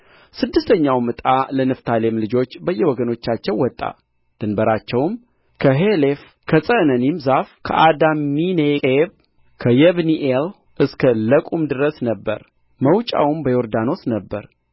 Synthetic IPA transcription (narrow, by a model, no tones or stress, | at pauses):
sɨd̪ːɨst̪ʰəɲːawmɨt̪ʼalənɨft̪ʰalemlɨd͡ʒo̞t͡ʃːbəjːɛwɔɡəno̞t͡ʃːat͡ʃːɛwːɔt̪ʼːa̰ | d̪̥ɨnbəɾat͡ʃːɛwm | kʰəɦelef | kʰəsʼənənimzafkʰə̰ʔad̪amːinekʼeβ | kʰəjɛβniʔel | ʔɨskʰələkʼumd̪ɨɾəsnəbːə̰ɾ | məwt͡ʃʼa̰wmbəjo̞ɾd̪ano̞snəbːə̰ɾ